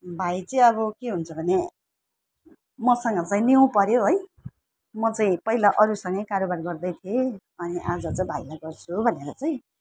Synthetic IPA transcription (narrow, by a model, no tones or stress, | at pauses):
bʱajt͡sʌĩʌβʌkeɦunt͡sʰʌbʱʌne | mʌsʌŋɡʌt͡saĩniw̃pʌɾjoɦʌj | mʌt͡saĩpʌɦilaʔʌɾusʌŋɡʌjkaɾobarɡʌrd̪ʌjt̪ʰije | ʌniʔad͡zʌt͡saĩbʱailaɡʌrt͡sʰubʱʌneɾʌt͡saĩ